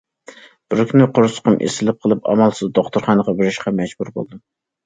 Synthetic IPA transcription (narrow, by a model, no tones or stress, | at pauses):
b̥ɾkʲnɪqʰoɾsʊ̥qəmʔḛsɪlɪp̚qʰəlˠɨpɑ̰mɑlˠsɨzd̪oχt̪ʊɾχɑnəʁɑbɪɾɪʃqʰɑmɛd͡ʒbuɾbo̰lˠd̪ɨ